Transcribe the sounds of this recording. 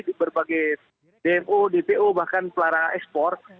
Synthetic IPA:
dibərbaɡɛj | d̥eɛmodepeʔobahkanpəlaɾaŋanɛkspɔr

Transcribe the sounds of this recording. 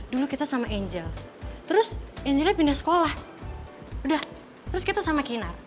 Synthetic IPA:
dulukit̪asamaʔɛɲd͡ʒɛlt̪əɾʊsɛɲd͡ʒɛlɲapindasə̥kolah | udah | t̪əɾʊskit̪asamakinar

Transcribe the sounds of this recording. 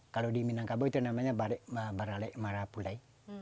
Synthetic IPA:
kalodiminaŋkabɔit̪unamaɲabaɾɛmabaɾalɛmaɾapulai

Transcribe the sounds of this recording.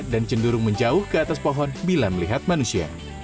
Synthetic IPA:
dant͡ʃənduɾʊŋməɲd͡ʒaʊhkəat̪aspoɦɔnbilaməliɦat̪̚manusia̰

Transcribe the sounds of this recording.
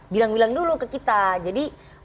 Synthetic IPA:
bilaŋbilaŋdulukəkit̪ad͡ʒadi

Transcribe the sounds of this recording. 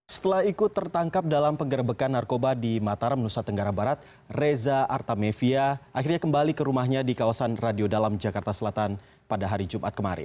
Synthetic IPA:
sə̥t̪əlahikut̪ərt̪aŋkap̚dalampəŋɡəɾəbəkanːarkobadimat̪aɾamənusat̪əŋɡaɾabaɾat̪̚ | rezaʔart̪amefiaʔaxirɲakəmbalikəɾumahɲadikawasanradiodalamd͡ʒakart̪asəlat̪an | padaɦaɾid͡ʒumʔa̰t̪̚kəmaɾɪ̰

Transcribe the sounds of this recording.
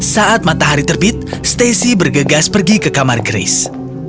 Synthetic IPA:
saʔat̪̚mat̪aɦaɾit̪ərbit̪̚st̪esibərɡəɡaspərɡikəkamarɡɾḛs

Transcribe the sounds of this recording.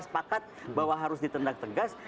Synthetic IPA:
sə̥pakat̪̚bawaɦaɾʊsdit̪əndak̚t̪əɡas

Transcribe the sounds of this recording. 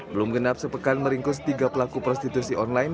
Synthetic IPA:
bəlʊmɡənap̚səpəkanməɾiŋkʊs̬t̪iɡapəlakupɾɔst̪it̪usiʔɔnlajn

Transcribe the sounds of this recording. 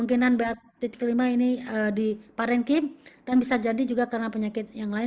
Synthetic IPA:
uŋkinanbeat̪̚ːit̪kːəlimainiədipaɾɛnkimd̥anbisad͡ʒadid͡ʒuɡakəɾənapəɲakɪt̪̚jaŋlaɪ

